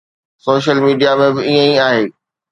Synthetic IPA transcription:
soːʃəlmiːɖijamẽbɪiə̃ĩaːɦeː

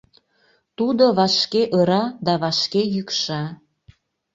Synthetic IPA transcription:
t̪ud̪oβɑʃkeʔəɾɑd̪ɑβɑʃkejykʃɑ

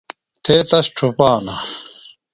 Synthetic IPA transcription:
t̪ʰeːt̪ɐsʈ͡ʂʰupaːna

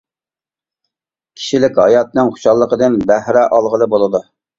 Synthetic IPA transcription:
kʲʰi̥ʃilɪkʲhɑjɑt̪nɨŋχʊ̥ʃɑlˠːəqəd̪ɨnbæhɾɛʔɑlˠʁəlˠəbolˠɨd̪u

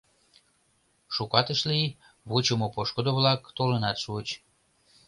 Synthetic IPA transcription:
ʃukɑt̪əʃlij | βut͡ɕəmopoʃkod̪oβlɑkt̪olənɑt̪ʃuət͡ɕ

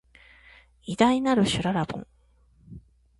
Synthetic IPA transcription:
id̪ainaɾɯ̟ɕɨɾaɾabõ̰ŋ

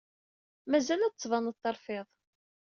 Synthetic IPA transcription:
mæzælæt͡sːˤvɑnəðˤt̪ːɑɾˤfɪðˤ

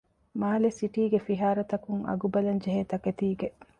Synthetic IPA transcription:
maːlesiʈiːɡefiɦaːɾɐt̪ɐkuŋɐ̰ɡubɐlɐnd͡ʒeɦeːt̪ɐket̪iːɡeʔ

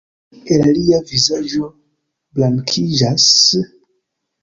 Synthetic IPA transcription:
elaliavizad͡ʒo̞ | blaŋkʰid͡ʒas

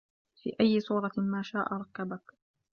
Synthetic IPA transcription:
fḭːʔajːɪsˤuːɾˤɑmaːʃaːʔaɾˤɑkːabak

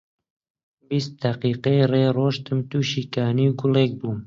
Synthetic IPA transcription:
bist̪̚d̪aqiːqejreːroːʃt̪ɨmt̪uːʃiːkaːniwɡʊleːk̚buːm

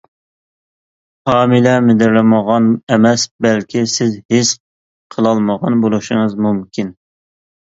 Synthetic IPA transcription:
hɑːmɨlɛmɪd̪ɪɾlɪməʁɑnɛmɛsbɛlkʲʰisɪzhɪs | qʰəlˠɑlˠməʁɑnbolˠuʃɨŋəzmumkʲʰin

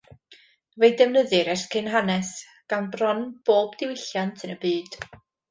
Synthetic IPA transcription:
vejdɛvnəðɨɾɛskʰɪnɦanɛs | ɡ̥anbrɔnb̥oːbdɪwɪɬjantʰɨnəbɨːd̥

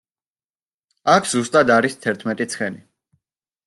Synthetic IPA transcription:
akʰzust̪ʼad̪aɾist̪ʰɛɾt̪ʰmɛt̪ʼit̪sʰχɛni

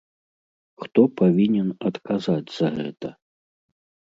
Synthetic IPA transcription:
xt̪ɔpavʲinʲɛnɐt̪kazad͡zʲz̥ɐɣɛ̰t̪ɐ

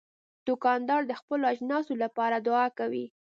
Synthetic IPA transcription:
d̪̥ʊkɑnd̪ɑɾd̪əxpəloaʒnɑsolapɑɾad̪ʊɑkawi

